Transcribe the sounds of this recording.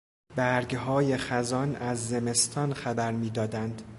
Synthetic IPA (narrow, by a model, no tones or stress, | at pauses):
bæɾɡɦɒːjexæzɒnæzːeme̞st̪ʰɒːnxæbæɾmiːd̪ɒːd̪ænd̪